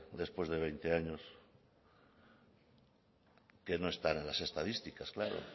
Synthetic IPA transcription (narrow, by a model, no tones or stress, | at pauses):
d̪e̞spwe̞zðe̞β̞ejnt̪eaɲo̞s | ke̞no̞e̞st̪ane̞nlase̞st̪aðist̪ikasklaɾo̰